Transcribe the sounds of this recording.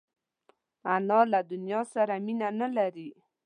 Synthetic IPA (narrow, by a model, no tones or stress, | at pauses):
anɑlad̪ʊnjɑsaɾaminanalaɾi